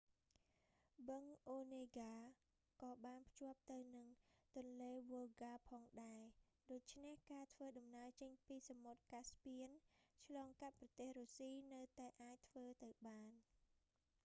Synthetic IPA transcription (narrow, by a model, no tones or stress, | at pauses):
bɨŋʔoːneːɡaː | kɑːɓaːnpʰjŏəp̚t̪ɨwnɨŋt̪ʊ̆ənleːʋolɡaːpʰɑːŋɗaɛ | ɗoːc̚t͡ɕʰnehkaːt̪ʰʋəːɗɑmnaət͡ɕəɲpiːsamot̪̚kaspiənt͡ɕʰlɑːŋkat̪̚prɑt̪eːhruːsiːnɨwt̪aɛʔaːc̚t̪ʰʋəːt̪ɨwɓaːn